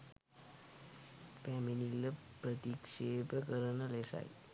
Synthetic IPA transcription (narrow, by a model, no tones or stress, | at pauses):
pɛminilːəpɾət̪ikʂepəkəɾənəlesa̰j